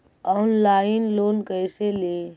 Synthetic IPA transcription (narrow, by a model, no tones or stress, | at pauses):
ɔːnlaɪinlonkəjsele